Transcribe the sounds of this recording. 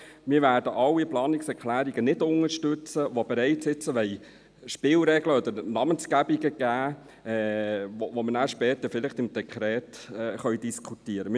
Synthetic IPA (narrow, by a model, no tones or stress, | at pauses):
mɪːɾʋæːɾdəʔɑlːiplɑːniksɛɾkʰlæːɾiɡənɪdʊŋəɾʃtɵt͡səʋobɛɾɛɪtsɪt͡səʋɛɪ | ʃpɪːlɾɛɡləɔd̪əɾnɑmənsɡæbiɡəɡ̥æː | ɛʋoʋomənæːɾʃpɛːt̪əɾfɪlɪχt̪ɪmd̥ɛkʰɾɛːtɛχœɥd̥iskʰutiːəɾəmɪ